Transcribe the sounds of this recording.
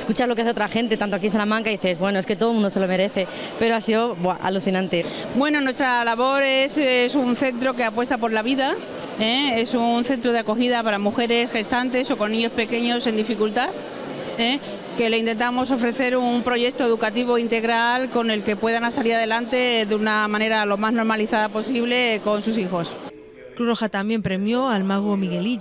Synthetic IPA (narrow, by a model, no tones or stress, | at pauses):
eskut͡ʃazlokeaθeot̪ɾaxe̞nt̪e̞t̪ant̪oakinsalamãŋkaðiθezβwe̞noeske̞t̪o̞ðmũnd̪oselo̞me̞ɾe̞θe̞ | pe̞ɾoasiðobwaʔa̰luθinãnt̪e̞ | bwe̞no̞nwe̞st̪ɾalaβo̞ɾe̞ssunθe̞nt̪ɾo̞ke̞apwe̞st̪apo̞ɾlaβiða | ee̞sunθe̞nt̪ɾoðeako̞xiðapaɾamuxe̞ɾe̞sxe̞st̪ant̪e̞so̞ko̞nːĩɲo̞spe̞ke̞ɲo̞se̞nd̪ifikult̪að | e | ke̞le̞int̪e̞nt̪amo̞so̞fɾe̞θe̞ɾumpɾo̞ʝe̞k̚t̪o̞eðukat̪iβ̞o̞int̪e̞ɣɾalko̞ne̞lke̞pwe̞ðanasaliɾaðe̞lant̪e̞ðeunamãne̞ɾalo̞mazno̞ɾmaliθaðapo̞siβle̞ko̞nsusixo̞s | kɾuroxat̪ambje̞mpɾe̞mjo̞almaɣomiɣe̞li